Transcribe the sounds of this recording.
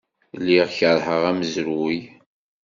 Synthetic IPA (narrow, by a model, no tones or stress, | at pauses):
lːiʁçəɾˤhəʁæməzɾuj